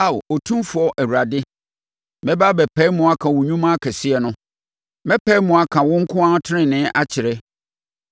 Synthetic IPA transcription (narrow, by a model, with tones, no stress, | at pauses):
a˨wo˨tʰũ˦mfʊ˨ɔ˦ʔæ˨wu˨ɾa˨dɪ˦ | mɛ̃˦ba˦bɛ˨pʰɛ˦mʊ̃˨a˦kʰã˨wʊ˨ɲũ˦mã˦kʰɛ˨sɪ˦ɛ˨nʊ̃˦ | mɛ˦pʰɛ˦mʊ̃˨a˦kʰã˨wʊ̃˦ŋ̩˦kʰʊ̃˦ã˦tʰɪ˦nɪ̃˨nɪ̃˦ʔa˦t͡ɕʰɪ˨ɾɛ˦